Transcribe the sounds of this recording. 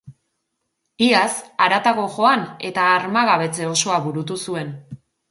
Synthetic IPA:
iasaɾat̪aɣo̞ʝo̞ane̞t̪aːɾmaɣaβ̞e̞t͡se̞o̞so̞aβuɾut̪usue̞n

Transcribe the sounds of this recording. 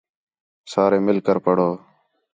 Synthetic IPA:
saːɾeːmɪlkəɾpəɽoː

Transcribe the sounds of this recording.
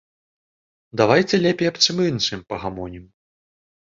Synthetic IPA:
d̪avajt͡sʲɛlʲɛpʲɛjɐpt͡ʂɨmɨnʂɨmpɐɣamɔnʲim

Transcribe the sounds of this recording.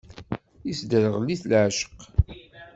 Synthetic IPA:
isd̪əɾəʁlːiθlʕʃə̥q

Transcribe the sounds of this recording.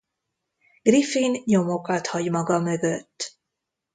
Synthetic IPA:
ɡ̥rifinɲo̞mokɒt̪hɒɟmɒɡɒmø̞ɡøt̪ː

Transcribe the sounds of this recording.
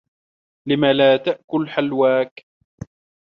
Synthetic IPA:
lɪmalaːt̪aʔkʊlħalwaːk

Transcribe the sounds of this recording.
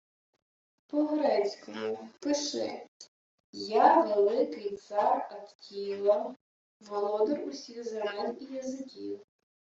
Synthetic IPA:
pɔɦɾɛsʲkɔmʊpɪʃɪ̰ | jaʋ̪ɔlˠɪkɪjt̪sɑrɐt̪kʲijlˠɐ | ʋɔlˠɔd̪ɔrʊsʲiɣzɾɑnʲijɐzɪkʲḭw

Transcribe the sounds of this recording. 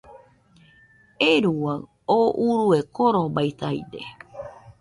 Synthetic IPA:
eɾuwa | oʔuɾuekoɾobajt̪ajd̪ḛ

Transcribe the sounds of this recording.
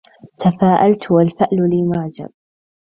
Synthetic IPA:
t̪afaːʔalt̪walfɪʔlʊliːmaʕd͡ʒa̰b̚

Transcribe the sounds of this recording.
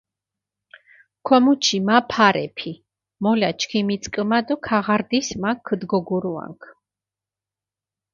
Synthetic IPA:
kʰɔmut͡ʃʰimapʰaɾɛ̰pʰi | mɔlat͡ʃʰkʰimit̪sʼkʼmad̪ɔkʰaʁaɾd̪ismakʰːəd̪ɡɔɡuɾua̰ŋkʰ

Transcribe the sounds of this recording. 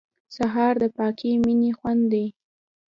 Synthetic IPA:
saɦɑɾd̪əpɑkiminixwand̪d̪i

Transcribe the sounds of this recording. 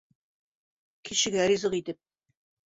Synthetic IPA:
kʰiɕɘ̆ɡæɾizɤʁit̪ɘp̚

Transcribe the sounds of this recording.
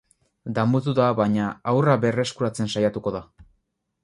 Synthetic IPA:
d̪amut̪uðaβaɲaawraβe̞re̞skuɾat͡se̞nsajat̪uko̞ða

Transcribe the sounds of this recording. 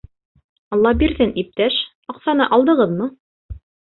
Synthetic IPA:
ɑlˠːɑhbiɾðɘnip̚t̪æʃ | ɑqsɑnɤʔɑlˠd̪ɤ̆ʁɤðmu

